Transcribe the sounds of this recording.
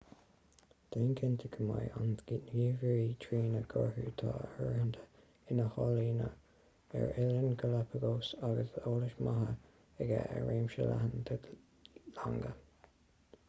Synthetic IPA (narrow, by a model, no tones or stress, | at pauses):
d̪̥enkʰɪnt̪ʰəkʰəmajʔansɡ̥iːtnjiːviɹitʰɹiːnəɡʰɔɹhuːt̪ʰɑːəhəɹhənd̪ʰə | ɪnəhɑːliːnə | ɛɹɪlənɡəlapʰəɡoːsaɡəsoːlɪʃmaɦə | əɡaʔə̰ɹeːmʃəla̰hənd̪ə | laŋɡə